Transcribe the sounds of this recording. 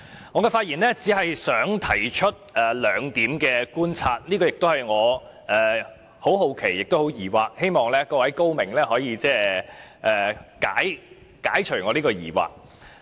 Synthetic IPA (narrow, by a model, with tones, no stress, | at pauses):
ŋɔː˨˧kɛ˧faː˧t̚jiː˨˩nlɛː˥t͡siː˨˥ɦɐ˨jsœː˨˥ŋt̪ʰɐ˨˩jt͡ʃʰɵ˥t̚ɛː˨lœː˨˧ŋt̪iː˨˥mkɛː˧kuː˥nt͡sʰaː˧t̚liː˥kɔː˧jɪ˨k̚t̪o˥whɐ˨˩jŋɔː˨˧ | ʔɛː˨ | ho˨˥wɦo˨˧wkʰe˨˩jːɪ˨k̚t̪o˥who˨˧˥wjiː˨˩waː˨k̚he˥jmɔː˨ŋlɛː˥kɔː˧wɐ˨˥jko˥wmɪ˨˩ŋlɛː˥hɔː˨˥jiː˨˧t͡sɛː˥˩ʔɛː˨˩kaː˨˥j | kaː˨˥jt͡ʃʰɵ˨˩ŋɔː˨˧liː˥kɔː˧jḭː˨˩wa̰ː˨˩k̚